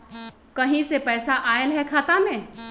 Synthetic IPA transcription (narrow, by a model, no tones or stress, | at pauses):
kɐɦĩsepɛːsaʔaːelɦɛkʰaːt̪amẽː